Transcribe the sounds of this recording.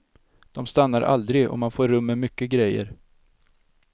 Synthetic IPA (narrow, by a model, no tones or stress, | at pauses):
d̪̥ɔmst̪anːaɾʔa̰ld̪ɾɪɡɔ̰manfoːɾːɵmːəmʏkːəɡɾɛjːə̰ɾ